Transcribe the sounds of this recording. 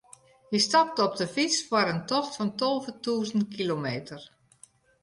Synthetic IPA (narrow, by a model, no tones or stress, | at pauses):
jəstap̚tɔp̚dəfit͡sfwɔɾəntɔxtfɔntolˠvətuːzəntkilomeːtər